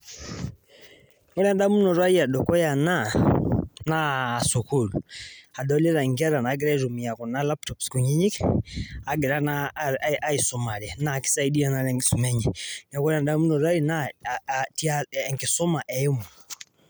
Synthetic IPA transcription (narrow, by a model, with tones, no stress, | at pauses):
kɔ˦la˦nda˦mu˦nɔ˨ɾwa˦i˦a˨ɗɔ˨kɔ˦ja˨na˦ | naː˦˨su˨kulua˨dɔ˦lɛ˦ɾa˨i˨ŋɡa˦ɾa˨naː˨˦ɡɛ˦ɾa˦i˦ɾu˨mi˨ja˨kɔ˨na˦la˦p̚tɔ˨psku˨ɲi˦ɲi˦k | a˨ɡɛ˨ɾa˦naʔa˦i˨sɔ˨ma˨ɾɛ˨naː˨ki̥˦sa˦i˦di˦a˨na˨lɛŋɡi˦su˨mɛ˦ɲɛ˨na˨ku˦la˨nda˦mu˦nɔ˨ɾa˦i˨na | ti˦aɛ˨ŋɡi˨sɔ˦ma˨ʔɛ˨i˦mɔ˨